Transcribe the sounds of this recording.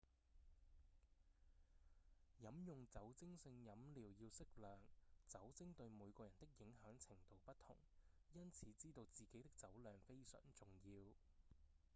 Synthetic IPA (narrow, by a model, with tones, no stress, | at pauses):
jɐ˨˥mjʊ˨˩ŋt͡sɐ˨˥wt͡sɪ˥ŋsɪ˧ŋjɐ˨˥mliː˨˩wjiː˧wsɪ˥k̚lœː˨ŋt͡sɐ˨˥wt͡sɪ˥ŋt̪ɵ˧ɥmuː˨˧jkɔː˧jɐ˨˩nt̪ɪ˥k̚jɪ˨˥ŋɦœː˨˥ŋt͡sʰɪ˨˩ŋt̪o˨˧wpɐ˥t̚t̪ʰʊ̰˨˩ŋ | jɐ˥nt͡sʰiː˨˥t͡siː˥t̪o˧wt͡siː˨˩ke˨˥jt̪ɪ˥k̚t͡sɐ˨˥wlœː˨ŋfe˥jsœ̰ː˨˩ŋt͡sʊ˨˩ŋjiː˧w